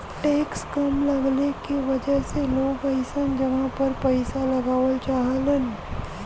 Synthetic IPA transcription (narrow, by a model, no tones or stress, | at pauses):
ʈeːkskɐmlɐɡlekiʋɐd͡ʒəɦseloːɡpəɪsənd͡ʒɐʋãpɐɾpɐɪsalɐɡaːʋəlt͡ʃaːɦələn